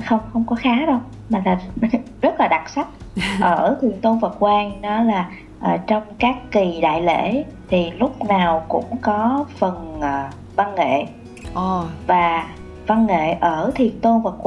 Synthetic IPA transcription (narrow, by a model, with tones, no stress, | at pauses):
xə˧wŋ͡mxə˧wŋ͡mkɔ˨˦xaː˨˦ɗə˧w | maː˨˩laː˨˩zə˦˥t̚laː˨˩ɗa˨˩t̚sa˦˥k̚ʔəː˧˩t̪ʰi˨˩ənt̪o˧nvə˨˩t̚kwaː˧ŋɗɔ˨˦laː˨˩ | ʔəː˨˩t͡ɕɔ˧wŋ͡mkaː˦˥kːi˨˩ɗa̰ː˧˨jlḛ˧˩˥ | t̪ʰi˨˩lʊ˦˥k͡p̚naː˨˩wkʊ̰˧˥ŋ͡mkɔ˨˦fə˨˩nʔəː˨˩ | va˧nŋḛ˧˨˩ | vaː˨˩ | va˧nŋḛ˧˨ʔəː˧˩t̪ʰi˨˩ənt̪o˧nvə˨˩t̚kw